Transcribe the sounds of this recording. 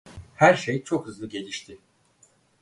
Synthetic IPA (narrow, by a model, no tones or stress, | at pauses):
hæɾʃejt͡ʃʰo̞khɯzlˠɯɟe̞lʲiʃt̪ʰɪ